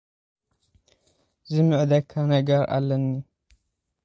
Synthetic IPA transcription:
zɨmɨʕd̪ɐkʰːanɐɡɐɾa̰lːɐnːi

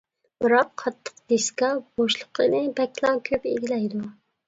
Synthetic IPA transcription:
b̥ɨɾɑqʰːɑt̪ʰːə̥qd̪̥eskɑb̥oʃlˠəqʰɨnɨbɛkʲʰlˠɑŋkʲʰøpeɡʲilɛjd̪u

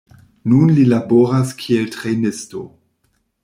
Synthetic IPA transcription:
nunlilaboɾaskʰie̞ltʁenɪsto̰

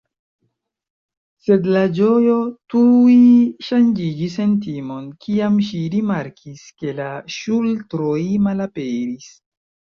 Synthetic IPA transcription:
se̞dlad͡ʒo̞jo̞tuiʃand͡ʒid͡ʒis̬e̞nt̬imo̞nkʰiamʃiɾimaɾkʰiske̞laʃultɾojmalapeɾis

